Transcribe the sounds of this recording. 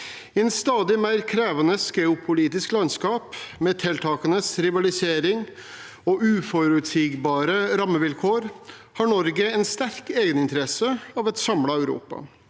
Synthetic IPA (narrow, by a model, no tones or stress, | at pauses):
ɪɛnst̪ɑːd̪ɪmæɪɾkʰɾeːʋɑnəsɡɛʊpʰʊliːt̪ɪsklɑnskɑːpmeːt̪ʰɛlt̪ʰɑːkənəsɾɪʋɑlɪseːɾɪŋ | ɔʉːfɔɾʉt̪siːɡbɑːɾəɾɑmːəʋɪlkʰoːɾ | hɑːɳɔɾɡəɛnst̪æɾkeːɡənɪnt̪əɾɛsəɑːʋɛt̪sɑmlɑæʉɾṵːpɑ̰